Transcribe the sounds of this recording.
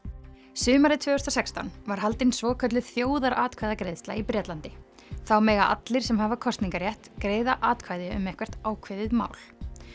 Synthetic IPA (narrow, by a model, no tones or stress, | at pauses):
sʏːmaɾɪt̪ʰvœːhʏst̪asɛkst̪anvaɾ̥halt̪ɪnsvɔːkʰœt̪lʏθjoːwðaɾaːt̪̚kʰvajðakɾejðst̪la̰ipɾɛt̪lant̪ɪ | θawmɛːɣaʔa̰t̪lɪɾ̥sɛmhavakʰɔst̪niŋkaɾjɛht̪kɾeːjðaʔaːt̪kʰvajðɪʏ̰mɛhkvɛr̥t̪aːwkʰvɪjðɪðma̰ːwl̥